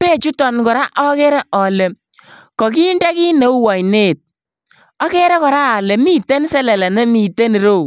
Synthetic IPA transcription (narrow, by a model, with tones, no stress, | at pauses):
pe˦˨t͡ʃu˦tɔ˨nkɔ˨ɾa˦ʔɔ˦ke˦ɾɛ˦ʔɔ˨le˨ | kɔ˨k̬i˦ndɛ˦ki˦ne˨u˦wɔ˨jneː˦˨t̚ | ɔ˦ke˦ɾɛ˦kɔ˨ɾaː˦˨le˨mi˦te˦n˦sɛ˦lɛ˨lɛ˨nɛ˦mi˨te˦ni˨ɾo˦˨